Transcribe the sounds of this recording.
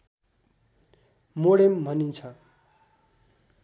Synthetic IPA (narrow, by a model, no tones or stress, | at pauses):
moɽembʱʌnint͡sʰʌ